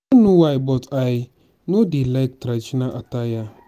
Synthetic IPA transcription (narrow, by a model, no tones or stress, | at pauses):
nuwajbɔt͡sai | nudilak̚tɾat͡ʃinaʔataja